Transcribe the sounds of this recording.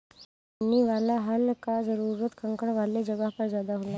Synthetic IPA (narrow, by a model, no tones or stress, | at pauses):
niːʋalaɦəlkad͡zəɾuɾət̪kʰəŋkəɳʋaled͡ʑəɡapəɾd͡zjad̪aɦola